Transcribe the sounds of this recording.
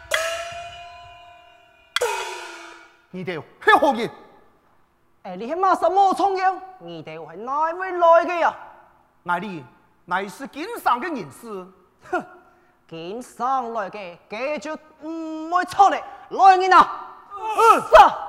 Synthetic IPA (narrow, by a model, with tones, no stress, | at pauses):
ŋĩ˨˩t̪e˨˩whe˦hɔ˧ɡi˧˩n | e˨˩li˧˩he˧mã˧˨sa˧mɔ˧t͡sʰɔ˧ŋɡi˧˦ŋŋĩ˨˩t̪e˨whe˨˧˦nã˧jwe˧˦lɔ˧jke˧a˨ | ŋa˨li˧ | na˨˩jsi˧ki˨˦nsa˨ŋke˧˦ŋi˨˩nsɨ˧ | ki˨˦nsa˧˩ŋlɔ˧jke˧ke˧˦˧t͡ɕju˧˦ | m̩˧˩mo˧jt͡sʰɔ˧ŋne˨˩lɔ˧jŋi˧na˨˧˩ | sa˧˩